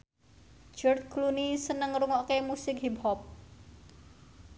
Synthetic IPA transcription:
d͡ʒɔrt̪̚klunisənəŋruŋɔʔkemusɪkɦip̚hɔp̚

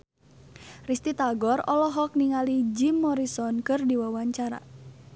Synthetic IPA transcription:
rist̪it̪aɡɔrɔlɔɦɔk̚niŋalid͡ʒimːɔɾisɔnkɨrdiwawaɲt͡ʃaɾa̰

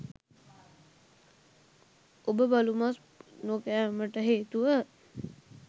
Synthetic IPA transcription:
obəbalumas | nokæːməʈəɦeːt̪uʋə

